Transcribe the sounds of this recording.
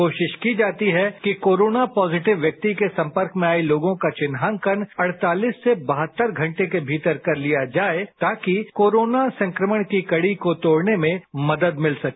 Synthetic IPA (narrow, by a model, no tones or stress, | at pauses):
oːʃɪʃkid͡ʒaːt̪iɦɛkikoːɾoːnapɔːzɪʈɪʋjɐk̚t̪ikesɐ̃mpəɾkmẽaːiloːɡõkat͡ʃɪnɦaŋkənɐɽ̤t̪aːliːsːebɐɦət̪ːəɾɡʱɐ̃ɳʈekebʱiːt̪əɾkɐɾlijad͡ʒaːet̪aːkikoːɾoːnasɐ̃ŋkɾəməɽ̃kikɐɽikot̪oːɽnemẽmɐd̪əd̪mɪlsɐkː